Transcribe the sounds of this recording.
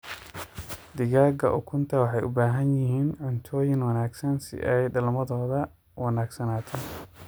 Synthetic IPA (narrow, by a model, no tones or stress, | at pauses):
d̪ɪɣaːɡɐ̰ʔʊkʰʊnt̪ʰɐwɑħɑjʔʊ̰baːɦɐnjɪɦiːnʕʊnt̪ʰɔːjɪŋwɑnaːɡsɐnsɪ̰ʔɛjdɐlmɐðɔːðɐ | wɑnaːɡsɐnaːt̪ʰɛn